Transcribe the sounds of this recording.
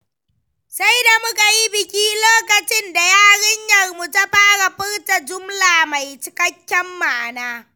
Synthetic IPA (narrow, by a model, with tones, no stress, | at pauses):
sa˦jda˨mʊ˦ka˨ji˦bɪ˨kʲiː˦loː˦kɐ˨t͡ʃɪ˦nda˨jaː˦ɽɪ˦ɲjɐ˨rmu˨ta˦ɸaː˦ɽa˨ɸɪ˦ɽta˨d͡ʒʊ˦mlaː˨ma˨jt͡ʃɪ˨kɐ˦kʲːɛ˦mːaː˨naː˦